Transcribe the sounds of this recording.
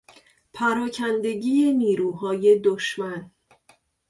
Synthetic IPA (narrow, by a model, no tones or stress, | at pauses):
pʰæɾɒːcʰænd̪e̞ɟiːeniːɾuːɦɒːje̞d̪oʃmæn